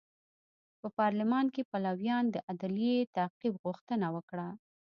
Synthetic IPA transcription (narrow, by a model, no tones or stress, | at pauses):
pəpɑɾlɪmɑnkepalawjɑnd̪əʔad̪lijet̪aqibɣʊxt̪ənawəkɽa